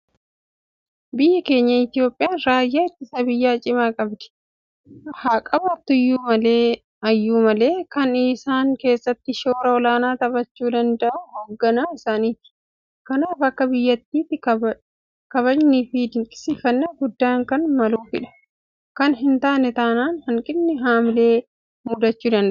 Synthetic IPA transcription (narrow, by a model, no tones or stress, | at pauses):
bɪjːɐke̞ːɲːɐɪt̪ɪjo̞ːpʼːɪjaːnɾaːjːaːɪt̪ːɪsɐbɪjːaːt͡ʃʼɪmaːkʼɐbd̪ɪ̥ | haːkʼɐbɐt̪ːʊjːuːmɐleː | ɐjːuːmɐle̞ːkɐnɪsaːŋke̞ːsːɐt̪ːɪʃoːɾɐɔlaːnaːt̪ɐbɐt͡ʃːuːd̪ɐnd̪ɐʔuhoːɡːɐnaːɪsaːniːt̪ɪ̥ | kɐnaːfɐkːɐbɪjːɐt̪ːiːt̪ːɪɐ | kɐβɐd͡ʒniːfɪd̪ɪŋkʼɪ̥sɪfɐnːɐɡʊd̪ːaːŋkɐnmɐluːfɪᶑɐ̥ | kɐnɦɪnt̪aːnɛt̪aːnaːnhɐŋkʼɪnːɪɦaːmɪle̞ː | muːd̪ɐt͡ʃːuːd̪ɐnd̪ɐʔ